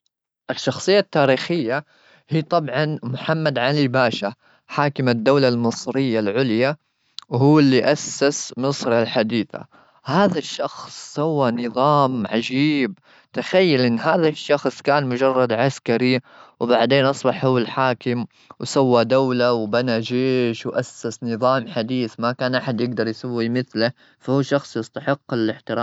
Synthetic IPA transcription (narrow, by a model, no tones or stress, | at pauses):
ʔɪʃːɑxsˤɨjːat̪ːaːɾiːxɪjːa | hiːt̪ˤɑbʕɑnmʊħamːad̪ʕalibaːʃa | ħaːkɪmad̪ːawlalmɨsˤɾɪjːalʕʊlja | whuːɪlːiʔasːɪsmɨsˤɾalħad̪iːθa̰ | haːðaʃːɑxsˤːawːanɨðˤɑːmʕad͡ʒiːb̚ | t̪axajːalʔɪnːɦaːðaʃːɑxsˤkaːnmʊd͡ʒɑrˤːɑd̪ʕaskaɾi | wbaʕd̪eːnʔɑsˤbɑħhuwːɪlħaːkɪm | wsawːad̪awlawbanad͡ʒeːʃwʔasːasnɨðˤɑːmħad̪iːθmakaːnʔaħad̪jɪɡd̪ɑɾˤjsawːimɪθla | fahuːʃɑxsˤjɪst̪aħɪqːɪlɪħt̪ɪɾː